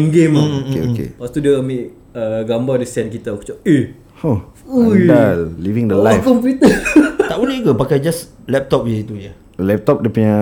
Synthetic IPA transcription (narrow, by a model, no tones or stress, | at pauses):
nɡemeo̰kḛpast̪udiəmeʔ | əɡambadisɛnkit̪aku̥t͡ʃae | ho | udallivĩŋdəlajkɔmp̬jut̪ət̪aʔunəkəpakajd͡ʒas | lɛp̚t̪ɔp̚wait̪uja | lɛp̚t̪ɔp̚dəpiɲã